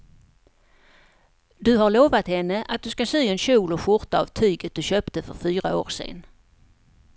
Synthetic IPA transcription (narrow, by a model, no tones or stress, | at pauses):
d̪ɵɦaɾɭoːvat̪hɛnːəʔat̪̚d̪ɵskasyːɛnɕuːlɔɧʊɾt̪aa̰vt̪ʰyːɡət̪̚d̪ɵɕøːpt̪əfœɾfyːɾao̰ːɾsḛːn